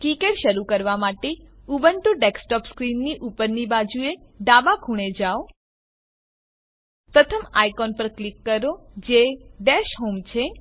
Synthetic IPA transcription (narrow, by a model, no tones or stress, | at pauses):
kikeʈʃəɾukəɾʋamaʈe | ubəɳʈũɖeksʈɔpskɾinːiʔupəɾnibad͡ʒue | ɖabakʰũɽ̃ed͡ʒao | pɾət̪ʰəmajkɔnpəɾklikːəɾod͡ʒeɖɛʃɦomt͡ʃʰe